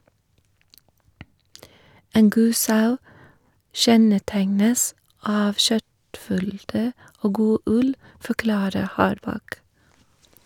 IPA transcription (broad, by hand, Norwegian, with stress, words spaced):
ˈeːn ˈɡuː ˈsɑʉ ˈʃɛnəˌtæŋnəs ˈɑːʋ ˈʃœtˌfʏldə ˈoː ˈɡuː ˈʉl fɔˈklɑːɾə ˈhɑːɾˌbɑk